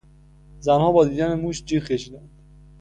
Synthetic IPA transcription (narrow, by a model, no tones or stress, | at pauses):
zænhɒːbɒːd̪iːd̪ænemuːʃd͡ʒiːɾkʲeʃiːd̪ænd̪̥